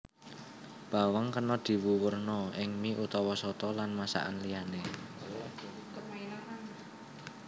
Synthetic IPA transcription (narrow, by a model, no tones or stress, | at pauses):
b̥a̤waŋkənɔd̪̥i̤wuwərnɔɪŋmiʔut̪ɔwɔsɔt̪ɔlanmasa̰ʔanlijane